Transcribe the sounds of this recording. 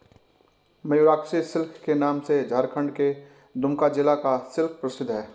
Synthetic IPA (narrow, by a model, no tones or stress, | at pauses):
mɐjuɾaːksisɪlkʰkenaːmsed͡ʒaːɾkʰə̃ɳɖke | d̪ʊmkad͡ʒɪlakasɪlk̚ʰpɾəsɪd̪ɦɛː